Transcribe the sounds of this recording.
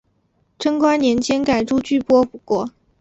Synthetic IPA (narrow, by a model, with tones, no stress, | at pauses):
ʈ͡ʂʰɤ˥ŋkwa˥nnjɛ˧˥nt͡ɕjɛ˥nka˨˩ɪʈ͡ʂu˥t͡ɕy˥˩pwɔ˥pu˨˩kwɔ˥˩